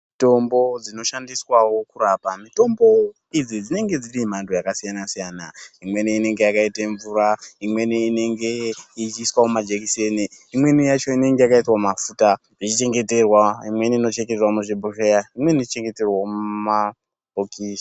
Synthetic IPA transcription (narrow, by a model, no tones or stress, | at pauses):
mito̞mbo̞d͡zino̞ʃandiswawo̞kuɾapamito̞mbo̞ | id͡zid͡zine̞ŋɡe̞d͡zirim̤antʰojakasijanasijanaimwe̞niine̞ŋɡe̞jakaiteɱvuɾaimwe̞niine̞ŋɡe̞it͡ʃiːswaomad͡ʒekiseneimwe̞nijat͡ʃo̞ine̞ŋɡe̞jakaitwamafuːta | it͡ʃit͡ʃe̞ŋɡe̞te̞rwaimwe̞niino̞t͡ʃeŋkɡeerwamuʐibʱurejaimwe̞nit͡ʃit͡ʃe̞ŋɡe̞te̞rwamuma | okisḁ